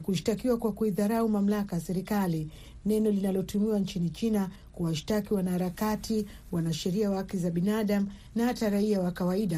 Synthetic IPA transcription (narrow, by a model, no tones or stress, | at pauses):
kuʃi̥takiwakwakuiðaɾaumam̩lakajasɛɾikali | nɛnɔlinalɔtumiwant͡ʃinit͡ʃina | kuwaʃi̥takiwanahaɾakatʰi | wanaʃɛɾiawakizaɓinaɗam̩ | nahataɾaiawakawaiɗa